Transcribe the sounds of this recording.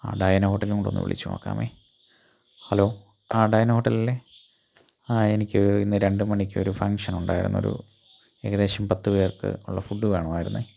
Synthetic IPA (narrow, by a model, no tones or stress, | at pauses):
a̰ːɖɐjɐnɐho̞ːʈːɐlikuɳɖonːṵʋḭɭʔḭt͡ɕːuma̰ːkːa̰ːmʔḛː | hɐloː | aːɖɐjnɐhoʈːɐlilːe | enikʲːɨoɾuinːɨɾe̞ɳɖɨmɐnikʲːɨoɾufɐŋʂɐnuɳɖa̰ːjiɾunːɐo̰ɾṵ | eɣɐðe̞ːɕɐmpɐt̪ːɨʋe̞ːrkɨ̰ṵɭːɐfuɖːuʋeːɳɐʋaːjiɾunːɨ